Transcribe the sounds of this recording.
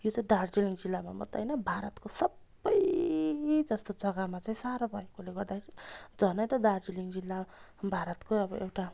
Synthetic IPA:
jot͡saĩd̪ard͡ziliŋd͡zilːama̰mʌ̰t̪ːa̰jnʌbʱaɾʌt̪kosʌbːʌj | d͡zʌst̪od͡zʌɡamat͡saĩsaɾabʱʌekoleɡʌrd̪akʰeɾid͡zʌnʌjt̪ʌd̪ard͡ziliŋd͡zilːabʱaɾʌt̪koʌbʌewʈa

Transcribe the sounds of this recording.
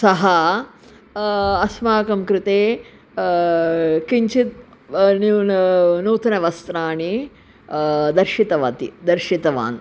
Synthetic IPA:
sɐɦɐ | ɐsmaːkɐmkɾɪt̪eː | kiɲt͡ʃit̪̚ | ninuːt̪ɐnɐʋɐst̪ɾaːɳi | d̪ɐɾʃit̪ɐʋɐt̪ḭd̪ɐɾʃit̪ɐʋa̰ːn

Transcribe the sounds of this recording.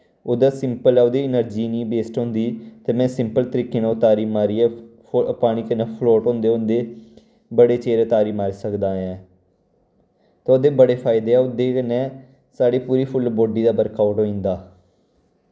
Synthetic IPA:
oːd̪aːsɪmpəlɛːʊd̪iːɪnəɾd͡ʒiːnĩːbeːsʈɦõːnd̪iːt̪eːmɛ̃ːsɪmpəlt̪əɾiːkːeːnːʊt̪aːɾiːmaːɾiːɛː | paːɽ̃iːkənɛːpʰloːʈɦõːnd̪eːʊnd̪eː | bəɽeːt͡ʃeːɾt̪aːɾiːmaːɾesəkd̪aːɛ̃ː | t̪ːoːd̪eːbəɽeːpʰaːɪd̪eːɛːʊd̪eːkənɛ̃ː | saːɽeːpuːɾiːpʰʊlboːɖiːd̪aːbəɾkaːʊʈɦoːĩːnd̪aː

